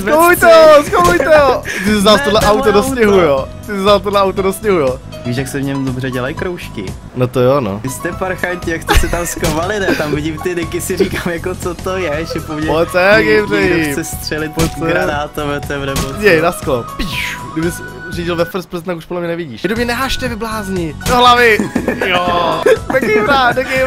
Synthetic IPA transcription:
ovujt̪ɛɦoskomujt̪ɛɦot̪ɪsɪznaːlft̪odlɛʔawt̪odosɲɛɦujot̪ɪsɪznaːlt̪odlɛʔawt̪odosɲɛɦujo | viːʃjaksɛvɲɛmdobrɛɟɛlajkɾowʃkɪ̰ | not̪ojonoɪst̪ɛpaɾxaɲcɪjakst̪ɛsɛt̪amskovalɪnɛt̪amvɪɟɪmt̪ɪdɪkɪsɪɾiːkaːmjakot͡sot̪ojɛʃɛpoɲɛot̪ɛɡɛjbrɛɛɪsɛst̪r̥ɛlɪpot̪ɡɾanaːt̪ovɛt̪ɛmnɛboɛjnasklopiʃɡdɪbɪs | riɟɪlvɛfr̩spɾ̩st̪akuʃpodlɛmɲɛnɛvɪɟiːʃdobɲɛnɛɦaːʃt̪ɛvɪblaːzɲɪdoɦlavɪjodɛkejvɾaːdɛɡɛj

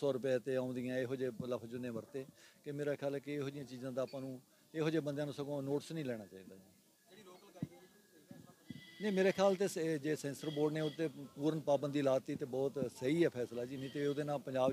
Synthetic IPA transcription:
sɔːɾʊpaːt̪eːãːʊ̃nd̪ɪjãːeːɦoːd͡ʒeːləpʰd͡ʒʊnẽːʋəɾt̪eːkɪmeːɾaːkʰɪjaːlɛːkɪeːɦoːd͡ʒɪjãːt͡ʃiːzãːd̪aːpãːnũː | eːɦoːd͡ʒeːbənd̪eãːnũːsəɡõːnoːʈsnĩːlɛːɽ̃aːt͡ʃaːiːd̪aːd͡ʒiː | kː | nẽːmeːɾeːkʰɪjaːlt̪eːd͡ʒeːsɛ̃ːnsəɾboːɖneːʊt̪ːeːpuːɾənpaːbənd̪iːlaːt̪iːt̪eːbɔːt̪səiːɛːpʰɛːslaːd͡ʒiːnĩːt̪eːʊd̪eːnaːpəɲd͡ʒaːb

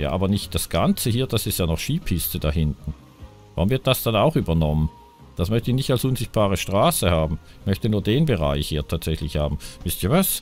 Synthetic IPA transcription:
ja̰ːʔaːbɐnɪçt̚d̥asɡ̥ant͡səhiːɐd̥asɪstjaːnɔχʃiːpʰɪstədaɦɪntn̩ | vaʁʊmvɪɐt̚d̥asd̥anaʊxʔyːbɐnɔmən | d̥asmœçtəɪçnɪçtalsʊnzɪçt̚b̥aːʁ̞əʃtʁ̥aːsəhaːbm̩ | mœçtənuːɐdeːnbəʁa̰ɪçhiːɐtʰaːtz̥ɛçlɪçhaːbm̩mɪstjəvas

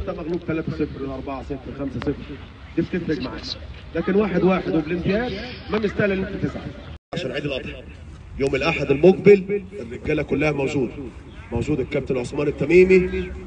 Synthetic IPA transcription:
t̪æʔmæɣluːb̚t̪ælæːt̪æsefɾwelʔɑɾˤbɑʕasˤefɾxæmsæsefɾ | d̪iːb̚t̪ɪfɾɪɡmaʕa̰ː | læːkenwaːħed̪waːħed̪webelʔɪmt̪ɪjæːd̪mæmɪst̪æːlælːɪt̪æt̪ɪsʕa̰aʕʃæːnʕiːd̪ilʔɑt̪ˤħɑ | joːmɪlʔaħad̪elmoɡ̚belʔɪrːɪɡːæːlækʊlːæhæmæwd͡ʒuːd̪ | mæwd͡ʒuːd̪ekːæb̚t̪enʕosmɑːnɪt̪ːæmiːmi

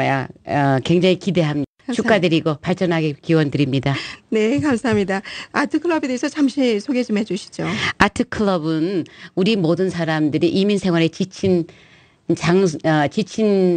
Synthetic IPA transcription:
ja̰ʌkwe̞ŋd͡ʑaŋikide̞ɦamɲi | t͡ɕʰukk͈adɯɾiɡopaɭt͡ɕ͈ʌnɦaɡekiwʌndɯɾimɲidanekamsʰaɦamɲidaatʰɯkʰɯɭʌbedeːsʰʌt͡ɕamɕʰisʰoɡe̞d͡ʑumɦe̞d͡ʑuɕʰi̥d͡ʑoatʰɯkʰɯɭʌbɯnuɾimodɯnsʰaɾamdɯɾiʔiminsʰe̞ŋwaɾet͡ɕit͡ɕʰin | t͡ɕaŋʌt͡ɕit͡ɕʰin

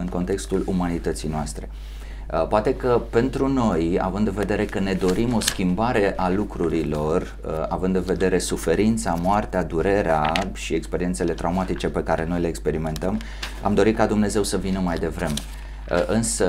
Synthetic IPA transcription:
ɨŋko̞nt̪e̞kst̪ulumanit̪ət̪sijnoast̪ɾe̞ | poat̪e̞kəpe̞nt̪ɾuno̞ja̰vɨnd̪ɨnve̞d̪e̞ɾe̞kəne̞d̪o̞ɾimo̞skʲimbaɾe̞ʔalukɾuɾilo̞r | a̰vɨnd̪ɨnve̞d̪eɾe̞sufe̞ɾint̪samoart̪ead̪uɾe̞ɾeaʃiekspe̞ɾient̪se̞le̞t̪ɾʔaumat̪it͡ʃe̞pe̞kaɾe̞no̞jle̞ːkspe̞ɾime̞nt̪əm | a̰md̪o̞ɾit̪kad̪umne̞ze̞wsəvinəmajd̪e̞vɾe̞me | ʔɨnsə

